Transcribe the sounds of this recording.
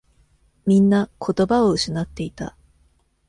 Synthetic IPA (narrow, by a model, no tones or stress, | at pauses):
mʲĩnːakʰo̞t̪o̞bao̞ɯ̟ɕinat̪ːe̞it̪a̰